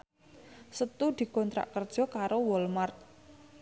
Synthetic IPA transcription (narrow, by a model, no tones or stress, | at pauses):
sət̪ud̪̥i̤kɔnt̪ɾa̰ʔkərd̥ʒ̥ɔ̤kaɾowɔlmart̪̚